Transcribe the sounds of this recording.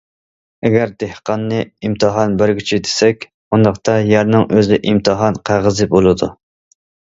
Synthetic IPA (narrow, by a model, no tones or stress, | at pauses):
ɛɡʲæɾd̪ehqʰɑnːɨimt̪ʰɨɦɑnbæɾɡʲyt͡ʃʰid̪e̥sɛkʲ | und̪ɑqt̪ʰɑjæɾnɨŋʔøzɪʔimt̪ʰɨɦɑnqʰæʁəzɨbolˠɨd̪u